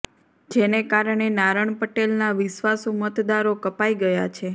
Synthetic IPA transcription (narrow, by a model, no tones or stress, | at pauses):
d͡ʒenekaɾɳ̃enaɾəɳ̃pəʈelnaʋɪʃʋasumət̪d̪aɾokəpaiɡəjat͡ʃʰe